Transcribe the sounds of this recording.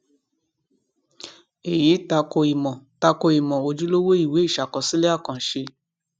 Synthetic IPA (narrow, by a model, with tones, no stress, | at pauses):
e˨je˨˦ta˧ko˧i˨mɔ̃˨ta˧ko˧i˨mɔ̃˨o˧d͡ʒu˦lo˦wo˦i˦˨we˨˦i˦˨ʃa˨kɔ˨sĩ˦le˦a˦˨kã˨ʃe˧